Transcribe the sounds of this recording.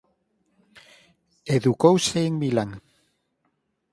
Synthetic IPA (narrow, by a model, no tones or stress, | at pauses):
eðukowsejŋbilaŋ